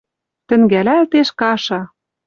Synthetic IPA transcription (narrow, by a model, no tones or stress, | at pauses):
t̪ɘ̆ŋɡælælt̪eʃkɑʃɑ